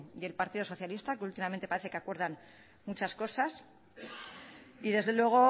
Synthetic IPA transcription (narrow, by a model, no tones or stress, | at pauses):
d̪e̞lpaɾt̪ið̞o̞so̞θjalist̪akeult̪imamẽ̞nt̪epaɾe̞θe̞ke̞akwe̞ɾð̞an | mut͡ʃasko̞sas | iðe̞zðe̞lwe̞ɣ̞o̞